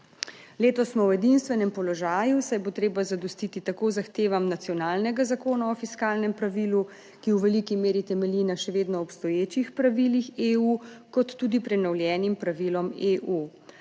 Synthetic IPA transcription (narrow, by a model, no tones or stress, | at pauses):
leːt̪ɔsmɔwɛd̪inst̪ʋɛnɛmpɔlɔʒaːjusajbot̪ɾeːbazad̪ɔst̪it̪it̪akoːzaxt̪eːʋamnat̪sijɔnaːlnɛɡazakoːnaɔfiskaːlnɛmpɾaʋiːlu | kiwʋɛlikimeːɾit̪ɛmɛlinaʃɛʋeːd̪nɔɔpst̪ɔjeːt͡ʃixpɾaʋilixeukɔt̪ːuːd̪ipɾɛnɔwljɛːnimpɾaʋilɔmeʔu